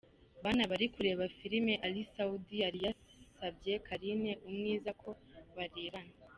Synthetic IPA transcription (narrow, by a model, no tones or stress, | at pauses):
βanaβaɾikuɾe̞ːβafiɾime̞ʔalisaudiaɾija | sabje̞kʰaɾine̞ʔumŋiːzakʰo̞ | βaɾeːβana